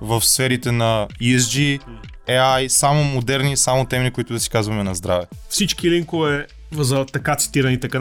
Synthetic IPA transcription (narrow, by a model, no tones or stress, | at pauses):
vəfsfɛɾit̪ɛnɐiz̬d͡ʒi | ɛajsamomod̪ɛɾnisamot̪ɛmɛɾikʊit̪ʊd̪ɐsi̥kazvɐmɛnɐzd̪ɾavɛ | fsit͡ʃkiliŋkoɛ | vzɐt̪ɐkat̪si̥t̪iɾɐnit̪ɛka